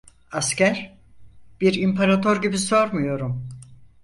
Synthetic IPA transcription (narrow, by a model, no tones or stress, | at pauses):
ascæɾ | b̥iɾimpʰaɾat̪ʰo̞ɾɟibiso̞ɾmujo̞ɾum